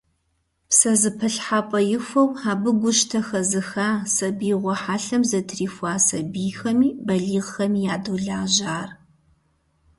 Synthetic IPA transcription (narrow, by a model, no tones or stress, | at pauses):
psɐzɨpʰɐɬħapʼɐjɪxʷɐwaːbɨɡʷʊʃtʰɐxɐzɨxaːsɐbiːʁʷɔħaːɬɐmzɐtʰriːfʷaːsɐbiːxɐmiːbɐɮiːʁxɐmiːjaːduɮaːʒaːr